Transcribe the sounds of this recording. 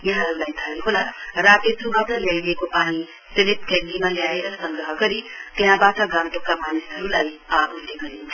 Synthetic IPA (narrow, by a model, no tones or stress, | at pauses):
jeɦãɾulajt̪ʰaɦolaɾat̪esubatʌljaiekopani | seɾit̪̚kẽnd̪imaljaeɾʌsʌŋɡɾʌɦʌɡʌɾit̪eɦãbatʌɡãnt̪okamanisɦʌɾulajault̪eɡʌɾint͡sʰ